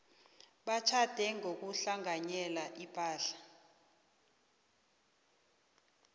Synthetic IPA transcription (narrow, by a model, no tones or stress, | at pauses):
ɓat͡ʃʰad̥ʱɛŋok̬uɬaŋaɲɛlaʔipʰʼaːɬḁ